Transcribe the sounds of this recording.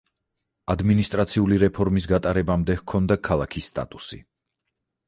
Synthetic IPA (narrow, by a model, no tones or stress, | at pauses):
ad̪minist̪ʼɾat̪sʰiuliɾɛpʰɔɾmisɡat̪ʼaɾɛbamd̪ɛhkʰɔnd̪akʰalˠakʰisːt̪ʼa̰t̪ʼusḭ